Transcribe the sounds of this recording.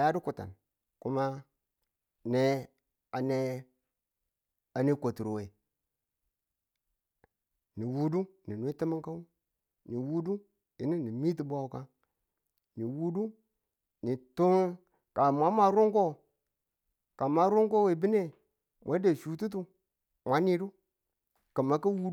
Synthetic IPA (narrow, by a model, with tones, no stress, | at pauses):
a˨ja˦di˦ku˨ta̰˨n | ku˦ma˦ | ne˦ | a˨ne˦ | a˨ni˦kʷo˨tu˨ɾo˨we˨ | ni˨wu˦du˦ni˨n˦e˦ti˦mi˦ŋka˦ | ni˨wu˦du˦ | i˨ni˦ni˨mi˦t̬i˨bʷa˦wu˨ka˦ | ni˨wu˦du˦ | ni˨tu˦ŋ | ka˨mʷa˦ma˨˦ɾu˦ŋko˦ | ka˨ma˨˦ɾu˦ŋko˦we˨bi˦ne˦ | mʔa˨˦de˨ʃu˨tu˦t̬u˦ | mʷa˨˦ni˦ɾu˦ | ka˨ma˨ki˦wu˦